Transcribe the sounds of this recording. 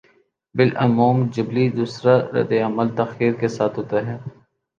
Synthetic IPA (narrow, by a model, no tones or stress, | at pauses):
bɪlʔɐmuːmd͡ʒɪblid̪uːsɾaɾɛ̰d̪eɐməlt̪ɐxiːɾkesaːt̪ʰɦoːt̪aɦɛː